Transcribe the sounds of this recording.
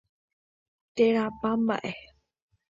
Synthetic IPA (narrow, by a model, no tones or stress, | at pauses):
t̪eɾapamba̰ʔe